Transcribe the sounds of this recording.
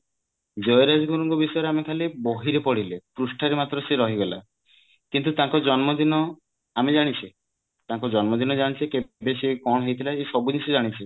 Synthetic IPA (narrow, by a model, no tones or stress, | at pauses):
d͡ʒɔjɾad͡ʒɡuɾɔŋɡɔbisɔɔɾeamekʰaleboɦiɾepɔɽilepɾusʈʰaɾemat̪ɾɔseɾɔɦiɡela̰ | kint̪ut̪ãŋkɔd͡ʒɔnmɔd̪inɔ | amed͡ʒaɽ̃it͡ʃʰi | t̪ãŋkɔd͡ʒɔnmɔd̪inɔd͡ʒaɽ̃it͡ʃʰikebesekɔɽ̃ɔɦejt̪ʰilaesɔbunisʰud͡ʒaɽ̃it͡ʃʰi